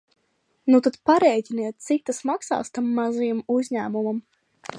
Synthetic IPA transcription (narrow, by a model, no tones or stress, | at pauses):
nut̪at̪paɾɛjcʲinajɛt̪̚t̪sikt̪ːasmaksa̰ːst̪amːazijamuzʲɲæːmumam